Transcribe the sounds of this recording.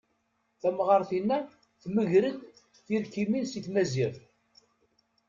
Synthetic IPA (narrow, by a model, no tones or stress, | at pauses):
θæmʁɑɾˤθinːæ | θməʝɾəd̪ | θiɾkiminsiθmæziɾ